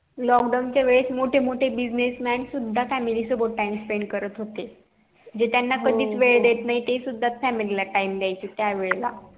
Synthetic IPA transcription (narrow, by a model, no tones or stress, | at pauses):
lɔkɖawnt͡ɕjaʋeɭet͡smoʈʰemoʈʰebid͡ʑnesmænsud̪ʱːafæmilisobəʈ̚ːaimspɾẽɳɖkəɾət̪ɦot̪e | d͡ʑet̪janːakəd̪ʱiːt͡sʋeɭd̪et̪naɦit̪esud̪ʱːat͡s̪fæmililaʈaimd̪jajt͡ɕet̪jaʋeɭla̰